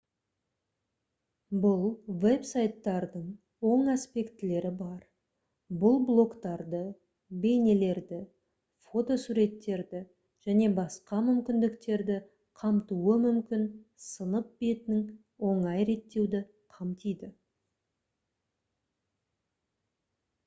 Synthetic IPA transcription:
bʊlˠve̞psajt̪ːɑɾd̪əɴ | wo̞ɴaspe̞kt̪ɪle̞ɾɪbɑɾ | bʊlˠblˠo̞kt̪ɑɾd̪ə | be̞jne̞le̞ɾd̪ɪ | fo̞t̪o̞suɾe̞t̪ːe̞ɾd̪ɪ | ʒ̥æne̞bɑsqɑmʏmkʲɪnd̪ɪkt̪e̞ɾd̪ɪ | qʰɑmt̪uəmʏmkʲɪnsənəp̚be̞t̪ɪnɪŋ | wo̞ɴɑjɾe̞t̪ːe̞wd̪ɪ | qʰɑmt̪ijd̪ɪ

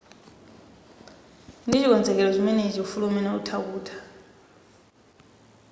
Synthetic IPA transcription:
ndʱizik̬wɔnd͡zʱɛk̬ɛlɔzimɛned͡ʒiufulumɛnautʰak̬uːtʰḁ

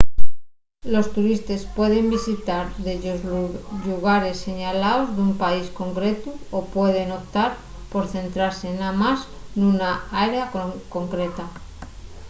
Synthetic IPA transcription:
lo̞st̪uɾist̪e̞spwe̞ð̞e̞mbisit̪aɾðeʝozʎuɣaɾe̞sːe̞ɲalaozðumpaisko̞ŋkɾe̞t̪uopwe̞ð̞e̞no̞p̚t̪aɾ | po̞ɾθe̞nt̪ɾaɾse̞ːnamas | nunaaeɾeakko̞ŋkɾe̞t̪a

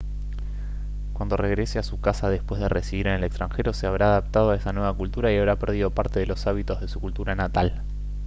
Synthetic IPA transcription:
kwand̪o̞reɣɾe̞seasukasaðe̞spwe̞zðeresiβiɾenelekst̪ɾaŋxe̞ɾo̞se̞aβɾaːðap̚t̪að̞o̞aesanwe̞β̞akult̪uɾaiaβ̞ɾapɛɾð̞ið̞o̞paɾt̪e̞ðelo̞saβit̪ozð̞e̞sukult̪uɾanat̪al

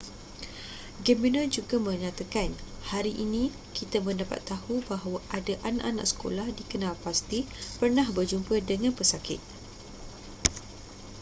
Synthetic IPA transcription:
ɡɛminənd͡ʒuɡamə̃ɲãt̪akan | haɾiʔinĩ | kit̪amə̃ndapa̰t̪ːahubaɦawaʔadaʔanaʔana̰ʔsə̥ko̰lahdikənãlpast̪i | pərnãhbərd͡ʒumpədəŋãnpəsakɪ̰t̪̚

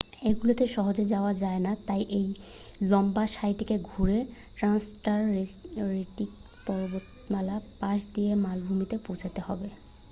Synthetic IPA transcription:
eɡulot̪eʃɔɦod͡ʑed͡ʑaoad͡ʑaenat̪ajʔej | lɔmbaʃajʈikeɡʱuɾe | ʈɾansʈaɾɾeʈik̚ | pɔɾbot̪ | malapaʃd̪iemalbʱumit̪epowd͡ʑʰat̪ehɔbe

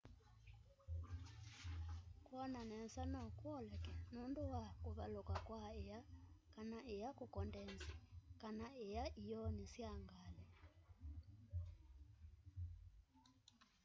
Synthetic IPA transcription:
kwɔnanɛnsanɔkwɔlɛkɛnunduwakuβalokakwaejakanaʔejakukɔndɛnzikanaejaʔijɔnisjaŋɡalɛ

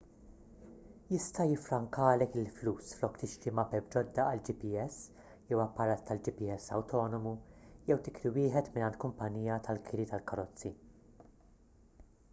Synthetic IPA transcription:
jɪst̪ɐjɪfɾɐŋkɐːlɛkɪlfluːsflɔkːt̪ɪʃt̪imɐpɛb̚d͡ʒɔd̪ːɐɐld͡ʒɪpiɛs | jɛwɐpːɐɾɐːt̪ːɐld͡ʒɪpiɛsːɐ̰wt̪ʰɔːnɔmujɛwt̪ɪkɾiwɪːħɛt̪mɪnɐnt̪kʊmpɐnːiːjɐt̪ɐlkʰɪɾit̪ɐlkɐɾɔt͡sːi

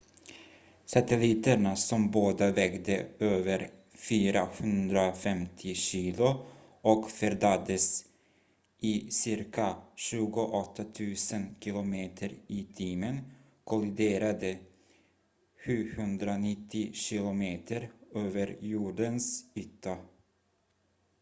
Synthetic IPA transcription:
sat̪ɛliːt̪əɳasɔmboːd̪avɛɡd̪əøːvəɾfyːɾahɵnd̪ɾafɛmt̪ʰɪɕiːlʊ | ɔkfœɾd̪ad̪əs | ɪsɪɾkaɕʉ̟ːɡʊʔɔt̪ʰːat̪ʰʉ̟ːsənkʰɪlʊmeːt̪ʰəɾɪt̪ʰiːmən | kʰɔlɪd̪eːɾad̪ə | ɧʉ̟ːhɵnd̪ɾanɪt̪ʰːɪɕɪlʊmeːt̪ʰəɾøːvəɾjuːɖənsyːt̪ʰːa

